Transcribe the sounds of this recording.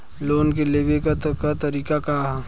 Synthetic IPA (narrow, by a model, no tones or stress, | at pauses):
loːnk̬eleʋekat̪kat̪ɐɾiːkaka